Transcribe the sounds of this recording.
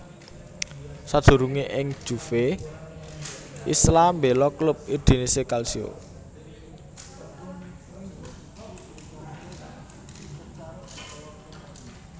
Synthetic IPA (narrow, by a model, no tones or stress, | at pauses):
sad̥ʒ̥ṳɾuŋeʔɪŋd̥ʒ̥ṳfe | ʔḭslambelɔklʊp̚id̪̥i̤nisekalsio̰